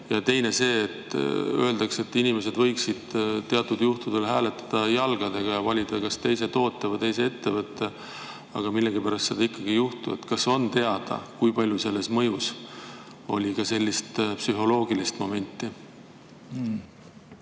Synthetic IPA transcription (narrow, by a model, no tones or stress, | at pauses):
jɑt̪e̞jne̞se̞ːt̪ø̞ld̪̥ɑkse̞t̪ːinime̞s̬e̞d̪vɤjksid̪̥t̪e̞ɑt̪ːˑud̪̥juht̪ud̪̥e̞lɦæːle̞t̪ːˑɑ̥d̪̥ɑjɑlɡ̥ɑd̪e̞ɡ̥ɑjɑvɑlʲid̪kɑst̪e̞jse̞t̪o̞ːt̪ˑːevɤjt̪e̞js̬e̞e̞t̪ːe̞vɤt̪ːe̞ | ɑ̰ɡ̥ɑmilːe̞ɡipæɾɑst̪se̞d̪̥ɑikːɑɡ̥ijuht̪ue̞̰t̪kɑso̞nt̪e̞ɑd̪̥ɑ̰kujpɑlʲjuse̞lːe̞smɤjus | o̞lʲikɑse̞lʲːist̪psyɦo̞lo̞ːɡ̥ilist̪mo̞me̞nʲt̪ːˑi